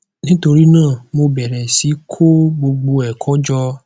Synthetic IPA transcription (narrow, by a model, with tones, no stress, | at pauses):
nĩ˦to˧ɾi˦nãː˦˨mo˧bɛ˨ɾɛ˨si˨˦kʰo˦ɡ͡bo˧ɡ͡bo˧ɛ˨kʰɔ˨˦d͡ʒɔ˧